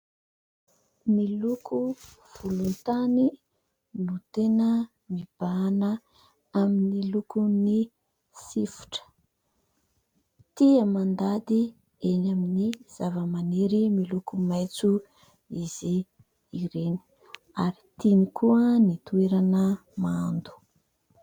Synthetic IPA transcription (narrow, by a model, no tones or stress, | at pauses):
milukʰu | v̥ulunt̪ani | nut̪enə | mib̥anə | aminilukuni | sifu̥ʈ͡ʂə̥ | t̪iəmand̪ad̪i | enaminiz̥avəmaneɾimilukumajt͡su | iz̥iː | ɾeni̥ | aɾit̪inikuənit̪ueɾanəmand̪u̥